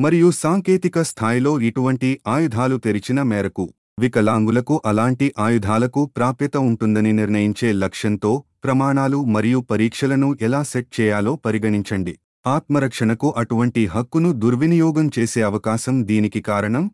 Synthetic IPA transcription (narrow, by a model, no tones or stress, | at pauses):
mɐɾijusaːŋkeːt̪ikɐst̪ʰaːjlo̞ːiʈuʋɐɳʈiʔaːjud̪ʱaːlut̪eɾit͡ʃinɐmɛːɾɐku | ʋikɐlaːŋɡulɐkuʔɐlaːɳʈiʔaːjud̪ʱaːlɐkupɾaːpjɐt̪ɐuɳʈund̪ɐniniɾnɐjiɲt͡ʃe̞ːlɐkʂɐnt̪o̞ːpɾɐmaːɳaːlumɐɾijupɐɾiːkʂɐlɐnuʔɛlaːseʈ̚t͡ʃɛːjaːlo̞ːpɐɾiɡɐɳiɲt͡ʃɐɳɖi | aːt̪mɐɾɐkʂɐɳɐkuʔɐʈuʋɐɳʈiɦɐkːunud̪uɾʋinijɔːɡɐmt͡ʃe̞ːse̞ːɐʋɐkaːʃɐmd̪iːnikikaːɾɐɳɐm